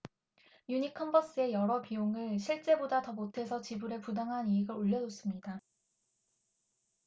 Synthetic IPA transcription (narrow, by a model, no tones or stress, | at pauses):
juɲikʰːʌmbʌs͈ɯe̞jʌɾʌpioŋɯɭɕʰiɭt͡ɕ͈e̞bodatʌmotʰe̞sʰʌt͡ɕibuɾe̞pudaŋɦaniiɡɯɾoʎːʌd͡ʑos͈ɯmɲida